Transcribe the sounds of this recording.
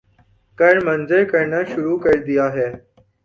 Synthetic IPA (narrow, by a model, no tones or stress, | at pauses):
kəɳmənd͡zəɾkəɾɳəʃʊɾuːkəɭd̪ijaːɦeː